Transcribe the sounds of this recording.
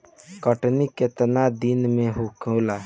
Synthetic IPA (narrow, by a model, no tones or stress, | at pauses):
kəʈniket̪ənad̪inmeɦukʰəla